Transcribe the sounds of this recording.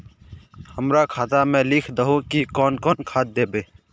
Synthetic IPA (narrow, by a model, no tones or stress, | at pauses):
həmɾakʰaːt̪amẽːlikʰd̪əɦõkikɔːnkɔːnkʰaːt̪̚d̪eːbeː